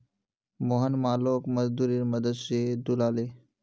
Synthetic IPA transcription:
moːɦənmaːloːkmɐzd̪uːɾiɾmɐd̪əd̪sed̪ulaːle

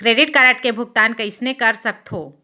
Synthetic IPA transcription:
kɾeːɖɪʈ̚kaɾəʈkebʱʊɡ̚t̪aːnkɐɪsnekɐɾsɐk̚t̪ʰoː

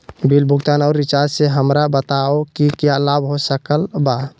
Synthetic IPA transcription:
bilbʱuɡt̪anɔʊɾːit͡ʃaɾd͡ʒseɦəmɾabət̪aokikjalabɦosəkəlba

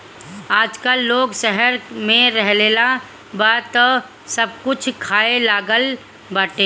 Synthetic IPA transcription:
aːd͡ʒkalːoːɡsɛɦəɾmẽɾɛɦleːla | bat̪ɔ | səb̚kʊt͡ʃʰkʰaːelaːɡəl | bəʈeː

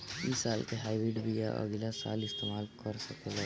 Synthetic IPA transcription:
isaːlkeɦaːɪbɾɪɖbʱija̰ʔə̰ɡlasa̰ːlɪst̪eːmaːlkəɾsɐked͡ʒa

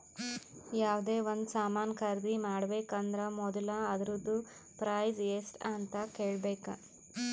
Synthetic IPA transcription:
jaːʋd̪e̞ːʋond̪saːmaːnkʰɐɾd̪imaːɽɐbeːkɐnd̪ɐɾɐmɔd̪ɐlɐːd̪ɐɾud̪ːu | pɾɐjzesʈɐnt̪ɐkeːɭbeːkɐ̰

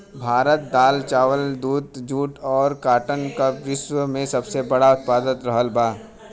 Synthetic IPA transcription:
bʱaːɾət̪̚d̪aːlt͡ʃaːʋəld̪uːd̪d͡ʒuːʈɔːɾkaːʈənkaʋɪʃʋəmẽsɐbsebɐɽaʊt̪̚paːd̪ət̪ɾɐɦəlbaː

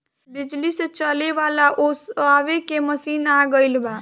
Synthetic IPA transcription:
bɪd͡ʒliset͡ʃəleʋalaʔosaʋekeməsiːnaɡəɪlba

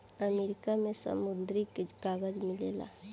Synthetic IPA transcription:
əmeːɾɪkamẽsə̰mʊnd̪ɾikeɡaːɡəd͡ʒmɪlḛːla̰

